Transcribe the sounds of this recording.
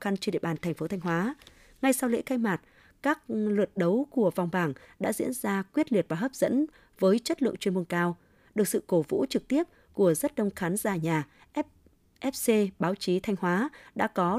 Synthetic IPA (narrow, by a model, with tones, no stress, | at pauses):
xa˧nt͡ɕɗḭ˧˨ə˨ɓaː˨˩nt̪ʰɛ˨˩jŋ̟fo˨˦t̪ʰa˧jŋ̟ɦwaː˨˦ | ŋa˧jsa˧wlḛ˧˥ka˧jmaː˨˩t̚ | kaː˦˥k̚lwɨ˨˩t̚ɗə˨˦wku˧˩əva˨˩wŋ͡mɓaː˧˩ŋɗa̰ː˧˥zḭ˧˥ənzaː˧kwi˦˥ət̚li˨˩ət̚vaː˨˩ɦəː˦˥p̚z̥ə̰˧˥n | vəː˨˦jt͡ɕə˦˥t̚lɨ̰˧˨ə˨ŋt͡ɕwənmu˧ənkaː˧w | ɗɨ˨˩ək̚sɨ̰˧˨ko˧˩vṵ˧˥t͡ɕɨ˨˩k̚t̪i˦˥əp̚ | ku˧˩əzə˦˥t̚ɗə˧wŋ͡mxaː˨˦nzaː˧˩ɲaː˨˩ | ʔp̚ | ʔɛ˦˥p̚se˧ɓaː˨˦wt͡ɕi˨˦t̪ʰa˧jŋ̟hwaː˨˦ɗa̰ː˧˥kɔ˨˦